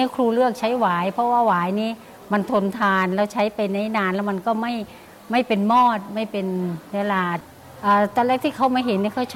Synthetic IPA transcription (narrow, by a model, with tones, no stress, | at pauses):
a˥kʰɾuː˧lɯ˥˩ək̚t͡ɕʰa˦˥jwaː˨˩˦jpʰɔ˧˥waː˧˥˩waː˨˦jniː˦˧˥ | ma˧nt̪ʰo˧nt̪ʰaː˧nlɛː˧˩wt͡ɕʰa˦˥jpa˧jna˧˥jnaː˧nlɛː˦˥wma˧nkɔː˥˩ma˥˩j | ma˥˩jpe˨nmɔː˥˩t̪̚ma˥˩jpe˨nwe˧laː˧˩t̪̚ | ʔaː˨˩t̪ɔː˧lɛː˧˩kt̪ʰiː˧˥˩kʰa˦˥wmaː˧˨ɦe˨˦nːiː˧˥˩kʰa˧˥˩wt͡ɕʰ